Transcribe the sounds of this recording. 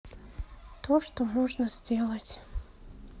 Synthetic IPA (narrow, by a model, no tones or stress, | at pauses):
t̪oʂt̪omoʐnəz̥ʲdʲelˠətʲ